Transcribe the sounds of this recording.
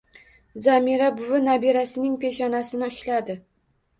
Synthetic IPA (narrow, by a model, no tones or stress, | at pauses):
zamiɾabʊvɪnabiɾasɪnɪŋpʰe̞ʃɒnasɪnɪʊʃlad̪ɪ